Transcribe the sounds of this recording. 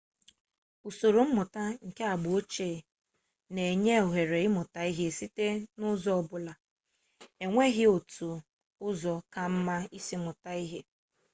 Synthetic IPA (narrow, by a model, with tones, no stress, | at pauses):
u˨so˨ɾo˨m̩˦mʊ˨ta˦ŋ̩˨ke˦a˨ɡ͡bʊ˨o˦t͡ʃeː˦˨ | ne˨ɲe˦o˨ɦe˨ɾe˨ɪ˦mʊ˨ta˨i˦ɦe˦˨si˦te˦nʊ˦zɔ˦ɔ˦˨bʊ˦la˨ | e˨ŋʷe˦ɣɪ˦o˨tu˨ | ʊ˦zɔ˨ka˦m̩˦ma˦i˦si˦mʊ˨ta˦i˦ɦe˦